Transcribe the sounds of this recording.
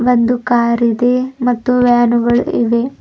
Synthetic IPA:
ʋɐnd̪ukaːɾid̪emɐt̪ːuʋaːnuɡɐɭiʋe

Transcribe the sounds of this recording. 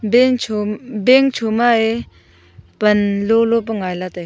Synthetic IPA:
beŋbeŋt͡ʃʰumae | pənlolop̬əŋajlat̪aj

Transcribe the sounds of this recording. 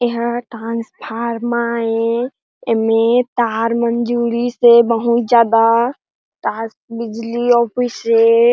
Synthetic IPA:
eɦəʈɾãnspʰaɾmae | emet̪aɾmənd͡ʒuɾisebəɦut̪̚d͡ʒaːd̪a | ʈɾasbid͡ʒliɔpʰise

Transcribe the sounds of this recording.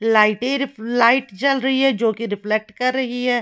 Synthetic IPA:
laːɪʈẽɾɪlaːɪʈt͡ʃɐlɾɐɦiɦɛd͡ʒoːkiɾɪflek̚ʈkɐɾːɐɦiɦɛː

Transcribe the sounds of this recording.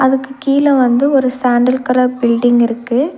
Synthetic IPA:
ɐðɯkːɯkiːlɐ̃ʋɐnd̪ɯɔɾɯsaːɳɖɐlkɐɾɐbɪɭɖɪŋɡɪɾɯkːɯ

